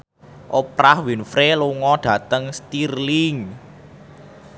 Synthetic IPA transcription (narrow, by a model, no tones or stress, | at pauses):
ʔopɾahwinfɾeluŋɔɖ̥ä̤t̪əŋst̪irlɪŋ